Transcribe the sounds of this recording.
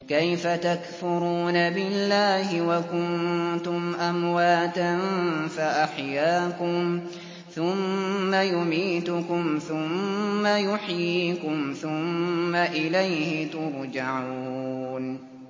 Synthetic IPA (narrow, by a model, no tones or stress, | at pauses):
kajfat̪akfʊɾuːnabɪlːaːhɪwakʊnt̪ʊmʔamwaːt̪anfaʔaħjaːkʊm | θʊmːajʊmiːt̪ʊkʊmθʊmːajʊħjiːkʊmθʊmːaʔɪlajhɪt̪ʊɾˤd͡ʒaʕuːn